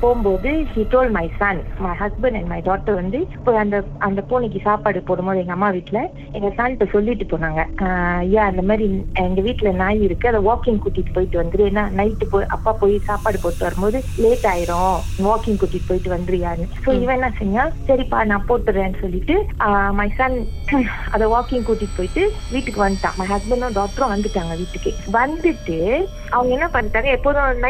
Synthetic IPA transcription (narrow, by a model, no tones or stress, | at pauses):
poːmboːðɯhiːʈoːlmɐɪsaːnmɐɪɦɐsbɐɳɖɛɳɖmɐɪɖaːk̚ʈːɐɾʋɐnd̪ɯpːoːɐnd̪ɐɐnd̪ɐpoːnɛk̬ːɯsaːpaːɽɯpoːɽɯmboːðɯɛŋɡɐmːaːʋiːʈːɪlɐ | ɛŋɡɐsaːnt̪ːɐsɔlːɪʋɪʈːɯpoːnaːŋɡɐjaːɐnd̪ɐmaːd̪ɾiɛŋɡɐʋiːʈːɪlɐnaːjɪɾɯkːɯɐðɐʋaːkɪŋɡkuːʈːɪʈːɯ̥poːjɪʈːɯʋɐnd̪ɯɾɯeːnːaːnɐɪʈːɯpoːʔɐ̰pːaːpoːjisaːpaːɽɯpoːʈːɯʋɐɾɯmboːðɯ | leːʈːaːjɪɾʊ̃ʋoːkɪŋɡkuːʈːiʈːɯ̥poːjɪʈːɯʋɐnd̪ɯɾɯjaːnːɯsoːɪʋɛ̃ːnːãːsɛɲːãːsɐɾipa̰ːnãːpoːʈːɯɾẽːnːɯsɔlːɪʈːɯamɐɪsɐn | ɐ̰ðɛʋaːkɪŋɡkuːʈːiʈːɯ̥poːjɪʈːɯ | ʋiːʈːɯkːɯʋɐnd̪ɯʈːã̰ːmɐɪɦɐsbɛɳɖʊ̃ɖoːʈːɾɔ̃ʋɐnd̪ɯʈːaːŋɡɐʋiːʈːɯkːɯʋɐnd̪ɯʈːɯ | ɐʋɐŋɡɐɛnːapɐnːɯʈːaːŋɡɐɛpːoːðʊ̃n